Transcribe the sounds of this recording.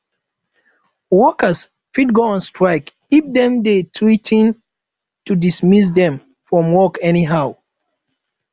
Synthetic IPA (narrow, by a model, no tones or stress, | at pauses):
wɔkəs | fitɡoɔ̃nstɹaɪk | ip̚d̪ɛ̃mdetʰwitʰĩn | tudismis̬dɛ̃m | fɹɔ̃mwɔkɛniɦaʊ